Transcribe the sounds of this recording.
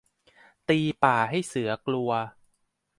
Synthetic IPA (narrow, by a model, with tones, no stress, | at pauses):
t̪iː˧paː˨˩ɦa˥˩jsɯ˩˦ɐklu˧ɐ